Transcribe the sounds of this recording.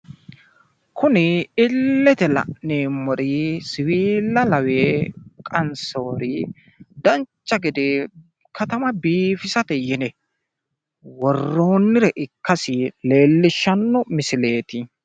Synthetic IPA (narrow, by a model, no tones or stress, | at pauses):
kʰʊnɪɪlːɛt̪ɛlɐ̰neːmːɔɾisɪwiːlːɐlɐweːkʼɐnso̞ːɾɪ | d̪ɐnt͡ʃːɐɡɪd̪e | kʰɐt̪ɐmɐbiːfɪsɐt̪ɛjɪnɛ | wɔrːo̞ːnːɪɾɛʔɪkːɐsɪle̞ːlːɪʃːɐnːɔmɪsɪle̞ːt̪ɪ